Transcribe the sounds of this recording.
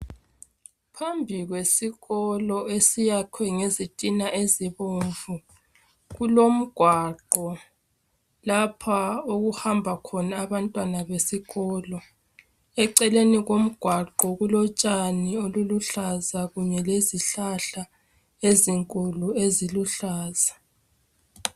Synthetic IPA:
pʰambʱiɣwesiɣɔlɔesijakʰwɛŋezitʼinaʔeziβoɱvu | ɣulom̩ɡ̥ʱwaǃɔ | lapʰaoɣuhambʱakʰɔnaːβantʼwanaβesiɣɔːlɔ | ɛǀɛleniɣom̩ɡ̥ʱwaǃɔɣulɔt͡ʃʼanioluluɬazaɣuɲɛleziɬaɬa | eziŋkʼulueziluɬaːz̥a

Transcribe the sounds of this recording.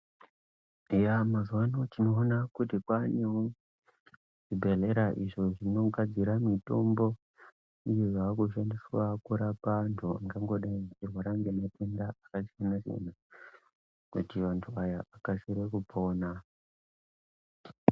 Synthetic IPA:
jamazuwano̞t͡ʃino̞ːnakutikwaneɦo | ʐ̥ibʱeɮe̞ɾaʔiʐo̞ʐino̞ɡʱad͡ziɾamito̞mbo̞ | ijojakuʃandiswakuɾapantʰuaŋɡaŋɡo̞ɗat͡ʃirwaɾaŋɡematendaːkat͡ʃianaʐḭna | kṵtiʋantʰuajaːkasiɾekupʰo̞ːna

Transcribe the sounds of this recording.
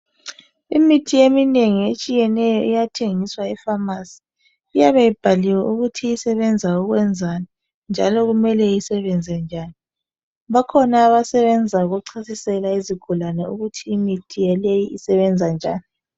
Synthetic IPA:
imitʰiemineŋiet͡ʃʼijɛnɛjɔʔijatʰeŋiswaɛfamasi̥ː | jaβejib̥ʱaliwɛʔuɣutʰijisɛβɛnd͡zʱauɣwɛnd͡zʱani | nd͡ʒʱalɔɣumɛlɛjisɛβɛnd͡zʱɛnd͡ʒʱaːni | βakʰɔnaːβasɛβɛnd͡zʱauɣuǀʰasisɛlaiziɡ̥ʱulanɛuɣutʰiːmitʰijɛlejiʔisɛβɛnd͡zʱand͡ʒʱa̰ːni

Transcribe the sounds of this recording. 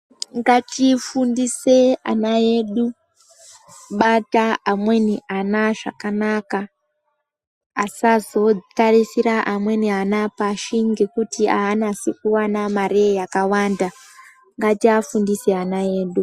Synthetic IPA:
ŋɡatifundisea̰naje̞ɗu | ɓataamwe̞niʔanaʐa̰kanaka | sazo̞tarisiɾaʔamwe̞nianapaʃiŋɡe̞kutia̰ːnasikuwanamaɾejakawanda | ŋɡatiafundiseanaje̞ːɗu

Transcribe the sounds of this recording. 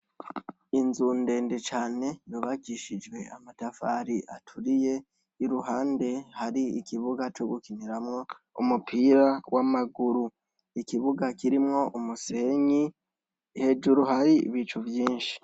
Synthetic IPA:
inzuːnde̞ːnde̞t͡ʃaːne̞joβakiʃid͡ʒwe̞amatafaɾiʔa̰tʰuɾije̞ | iɾuɦaːnde̞haɾiikiβuɡat͡ʃo̞ɡukiniɾamŋo̞ṵmupʰiːɾawʔamaɡuɾu | ikiβuɡakiɾimŋo̞ʔumuse̞ɲi | he̞ːd͡ʒuɾuhaɾḭβit͡ʃuvjiːnʃi̥

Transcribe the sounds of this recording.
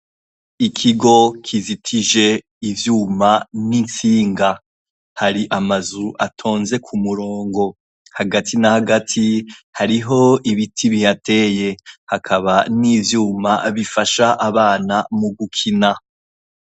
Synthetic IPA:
ikʰiɡo̞kʰizitʰiʒe̞ | ivjuːmanint͡siːŋɡa | haɾiʔamazuʔa̰tʰo̞ːnze̞kʰumuɾo̞ːŋɡo̞ | haɡatʰinahaɡatʰihaɾiɦo̞iβitʰiβihate̞ːje̞hakʰaβaniːvjuːma̰βifaʃaʔaβaːnamuɡukʰina

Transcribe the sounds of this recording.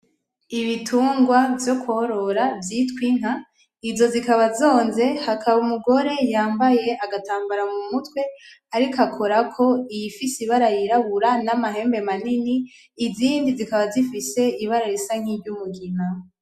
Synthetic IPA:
iβitʰuːŋɡwavjo̞kuhoɾo̞ɾavjiːtkwin̥ɦa | izo̞zikaβazo̞ːnze̞hakʰaβumuɡo̞ɾe̞jaːmbaje̞ʔaɡataːmbaɾamumutwe̞ | aɾikakʰo̞ɾakʰo̞ijifisiβaɾajiɾaβuɾanamaɦe̞ːmbe̞maniniː | ziːndizikaβazifise̞iβaɾaɾisaŋ̥iɟumuɡina

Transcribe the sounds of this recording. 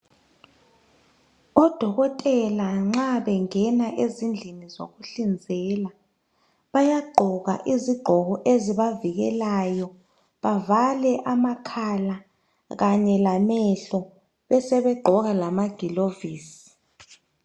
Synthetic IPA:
ɔd̥ʱɔɣɔtʼɛlaŋ͡ǁaβɛŋɛnaʔezind͡ɮʱinizo̰ɣuɬind͡zʱɛla | βajaɡ͡ǃʱɔɣa̰ʔiziɡ͡ǃʱɔɣɔʔeziβaviɣɛ̰lajɔ | βavalɛʔamakʰala | ɣaɲɛlamɛɬɔ | βɛsɛβɛɡ͡ǃʱɔɣalamaɡ̥ʱiloviːsi̥

